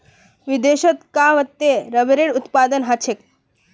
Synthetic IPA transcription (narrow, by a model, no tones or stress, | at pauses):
ʋid̪eɕət̪kaʋət̪ːeɾəʋeɾeɽut̪pad̪ənɦat͡ʃʰek̚